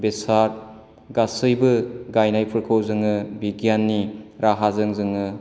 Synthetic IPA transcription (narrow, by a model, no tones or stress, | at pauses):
besaɾ | ɡasɯjbɯɡajnajpʰɯɾkʰowzɯŋɯbiɡjanːiɾaɦazɯŋzɯŋɯ